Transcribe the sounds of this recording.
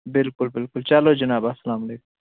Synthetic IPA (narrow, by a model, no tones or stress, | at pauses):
bɪlkʊlbɪlkʊlt͡ʃalod͡ʒɐnaːbasːɐlaːmaleːkʊm